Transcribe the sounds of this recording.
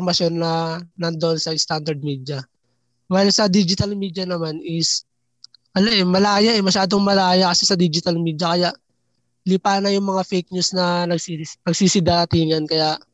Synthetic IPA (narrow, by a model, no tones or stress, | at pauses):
ɾmɐsjo̞nːɐnɐnd̪oʔonsɐɪst̪and̪ɐɾd̪̚miːd̪jɐ | wajlsɐd̪id͡ʒɪt̪ɐlmiːd̪jɐnɐmanɪs | ʔɐloʔɛmɐlaːjaʔɛmɐʃaːd̪o̞ŋmɐlaːjɐkɐsɛsɐd̪iːd͡ʒɪt̪ɐlmiːd̪jɐkɐjaʔ | lɪpaːnɐjʊŋmɐŋafejk̚ɲusnɐnɐɡsinɐɡsisɪd̪aːɐt̪ɪŋɐnkɐjaʔ